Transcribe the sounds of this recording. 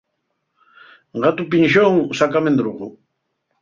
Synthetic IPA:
ɢɑt̪ʊpɪnʃoŋsakamend̪ɾoʁʊ

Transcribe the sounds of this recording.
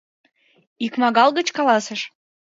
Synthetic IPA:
ikmɑɣɑlˠɣə̆t͡ɕkɑlɑsə̆ʃ

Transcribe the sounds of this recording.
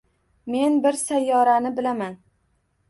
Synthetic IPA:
me̞nbɪɾsajːɒɾanɪbɪlaman

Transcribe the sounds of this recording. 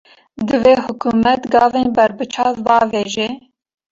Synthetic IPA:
d̪ɨveːhʊkuːmɛt̪ɡɑːveːnbɛɾbɨt͡ʃʰɑːt̪bɑːveːʒeː

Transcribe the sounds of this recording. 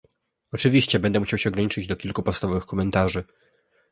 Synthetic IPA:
ɔt͡ʂɘvʲiɕt͡ɕɛbɛnd̪ɛmuɕawɕɛɔɡɾaɲit͡ʂɘd͡ʑd̪ɔkʲilkupɔt̪st̪avɔvɘxkɔmɛnt̪aʐɘ

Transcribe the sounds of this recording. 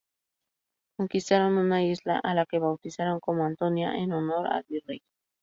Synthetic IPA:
koŋkist̪aɾonunaisla̰ʔalakeβawt̪isaɾoŋkomoant̪onja̰ʔenonoɾa̰lβirej

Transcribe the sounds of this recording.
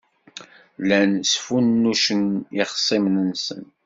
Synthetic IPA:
lænsfunːuʃənɪχsˤimnənsə̰n

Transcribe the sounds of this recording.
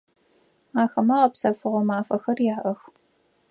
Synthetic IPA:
aːxɐmaʁɐpsɐfɨʁʷɔmaːfɐxɐrjaːʔɐx

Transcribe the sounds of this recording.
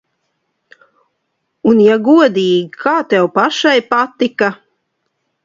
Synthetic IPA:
unjaɡuɔd̪iːɡʲikʰaːt̪ɛwpaʃajpat̪ika

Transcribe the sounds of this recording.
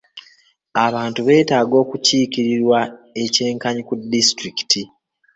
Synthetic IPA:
aβaːntuβe̞ːtaːɡo̞ːkuciːkiɾiɾwae̞ce̞ːŋkaɲikudːistɾiki̥ti

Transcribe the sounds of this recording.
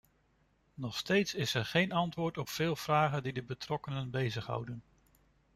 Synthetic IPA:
nɔχstejtsɪsɛɹχejnɑntʋʊːɹtɔpfɪːlˠv̥raːχəndidəbətrɔkənənbejzəχɦʌ̰wdən

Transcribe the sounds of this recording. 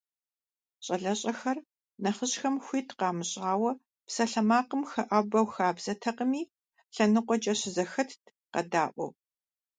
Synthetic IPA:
ɕʼɐɮɐɕʼɐxɐr | nɐχəɕxɐmxʷiːtʰqɑːmɨɕʼaːwɐ | psɐɬɐmaːqəmxɐʔɐbɐwxaːbz̥ɐtʰɐqəmiː | ɬɐnɨqʷɔt͡ʃʼɐɕɪzɐxɐtʰ | qɐ̰daːʔʷɔ̰

